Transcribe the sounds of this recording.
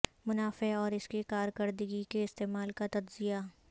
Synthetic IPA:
mʊnaːfeɔːɾɪskekaːɾkɐɾd̪əɡikeɪst̪eːmaːlkat̪ɐd̪zija

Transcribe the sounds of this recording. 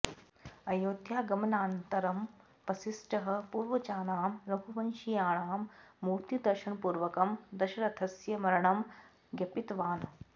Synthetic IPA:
ɐjoːd̪ʱjaːɡɐmɐnaːnt̪ɐɾɐm | pɐsisʈɐɦɐ̆puːɾʋɐt͡ʃaːnaːmɾɐkuʋɐnʃijaːɳaːmːuːɾt̪id̪ɐɾʃɐnpuːɾʋɐkɐmd̪ɐʃɐɾɐt̪ʰɐsjɐmɐɾɐɳɐm | ɡʲɐpit̪ʋaːn

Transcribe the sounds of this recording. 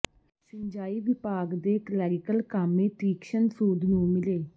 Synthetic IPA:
sɪɲd͡ʒaːiːʋɪpaːɡd̪eːklɛːɾɪkəlkaːmẽːt̪iːkʃənsuːd̪nũːmɪleː

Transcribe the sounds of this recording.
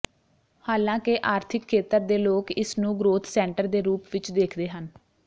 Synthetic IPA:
haːlãːkeʔaːɾt̪ʰɪkʰːeːt̪əɾd̪eːloːkɪsnũːɡɾoːt̪ʰsɛːɳʈəɾd̪eːɾuːpʋɪt͡ʃd̪eːkʰd̪eːɦən

